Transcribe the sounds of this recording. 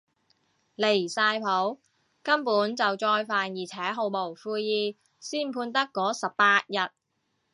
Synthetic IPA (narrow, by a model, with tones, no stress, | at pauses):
le˨˩jsaː˧jpʰo˨˥w | kɐ˥mpuː˨˥nt͡sɐ˨wt͡sɔː˧jfaː˨njiː˨˩t͡sʰɛː˨˥ɦo˨˧wmo˨˩wfuː˧jjiː˨˧ | siː˥npʰuː˧nt̪ɐ˥kːɔː˨˥sɐ˨ppaː˧t̚jɐ˨t̚